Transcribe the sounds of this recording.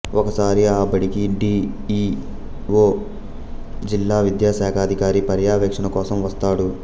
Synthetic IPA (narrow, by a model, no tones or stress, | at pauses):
ʔɔkɐsaːɾiaːbɐɽikiɖiː | ʋoː | d͡ʒilːaːʋid̪jaːsaːkʰaːd̪ʱikaːɾipɐɾjaːʋeːkʂɐnɐkɔːsɐmʋɐst̪aːɽu